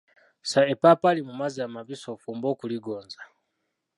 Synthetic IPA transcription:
saepapalimumaziamaβisofuːmboːkuliɡoːnza

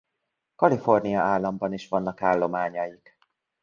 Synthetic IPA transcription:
kɒlifo̞rnijɒaːlːɒmbɒniʃʋɒnːɒkaːlːo̞maːɲɒjik

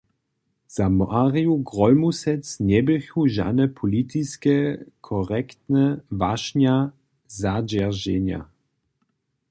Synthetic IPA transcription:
z̥amaʁijuɡʁɔlmusɛt͡snɛbɪxuʒa̰nɛpʰɔlit̪iskɛkʰɔʁɛkt̪nɛvaʃnja | zad͡ʒɛʁʒɛɲja̰

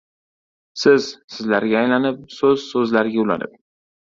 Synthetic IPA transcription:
sɪz̥sɪzlaɾɡʲaːjlanɪp̚sɵzsɵzlaɾɡʲaʊla̰nɪ̰p̚

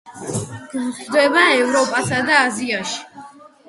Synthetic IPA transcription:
ɡ̥mχd̪ɛbaɛvɾɔpʼasad̪aːziaʃi̥

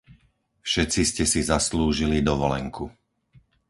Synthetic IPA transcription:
fʃɛt͡siscɛsizasluːʒilid̪ɔʋɔlɛŋku

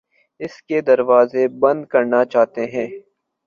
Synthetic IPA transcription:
ɪsked̪ɐɾʋaːzebɐ̃nd̪kɐɾnat͡ʃaːɦt̪eɦɛ̃ː

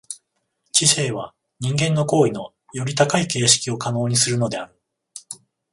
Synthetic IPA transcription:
t͡ɕise̞ːβ̞a | ɲ̟ĩŋɡẽ̞nːo̞ko̞ːino̞ | jo̞ɾʲit̪akaike̞ːɕi̥kʲio̞kano̞ːɲ̟isɨɾɯ̟no̞d̪e̞aɾɯ̟

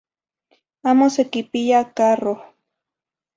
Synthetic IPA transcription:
amosekɪpɪjakaro

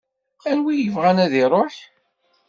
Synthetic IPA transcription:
æɾwijəvʁænæðiɾˤoħ

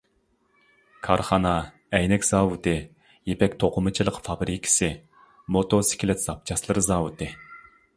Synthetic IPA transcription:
kʰɑɾχɑnɑ | ɛjnɛkʲz̥ɑːwut̪ʰɨ | jepɛkʲt̪ʰoqʰʊmɨt͡ʃʰilˠəqfɑbɾikʲʰi̥sɨ | mot̪osɪ̥kʲilɛt̪zɑp̚t͡ʃʰɑslˠɨɾzɑːwut̪ʰɨ

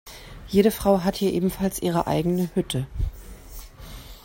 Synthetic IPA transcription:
jeːɾəfʁ̥aʊɦathiːɐʔeːbm̩falsʔiːʁ̞əʔa̰ɪɡənəhʏtʰə

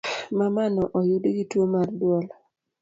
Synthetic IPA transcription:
mamanɔʔɔjudɡitwomardwɔl

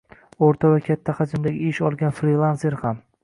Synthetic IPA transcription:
oɾt̪ʰavakʲʰat̪ʰːaqɑd͡ʒɪmd̪aɡʲɪɪʃɒlˠɡʲanfɾilˠanseɾham

